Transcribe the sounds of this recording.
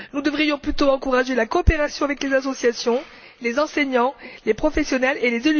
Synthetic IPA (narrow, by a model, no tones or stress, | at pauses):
nud̪əvʁijɔ̃plyt̪oɑ̃kuʁaʒelakɔːpeʁasjɔ̃avɛklezasɔsjasjɔ̃ | lezɑ̃seɲɑ̃lepχɔfɛsjɔnɛlelezel